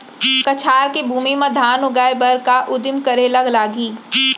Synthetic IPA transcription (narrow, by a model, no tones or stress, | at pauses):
kɐt͡ʃʰaːɾkebʱuːmimɐ̃d̪ʱaːnʊɡaːjbɐɾkaʔʊd̪ɪmkɐɾelɐɡlaːɡiː